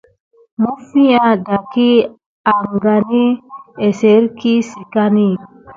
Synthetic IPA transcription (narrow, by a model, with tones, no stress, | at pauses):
mu˦fĩ˦ja˨da˨ki˦ | a˨ŋɡa˨ni˦e˨se˨˦ɾki˦si˨ka˦ni˦